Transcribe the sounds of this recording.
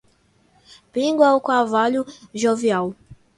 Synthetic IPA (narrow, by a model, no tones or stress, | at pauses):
pĩɡwawkavaʎʊʒoviaw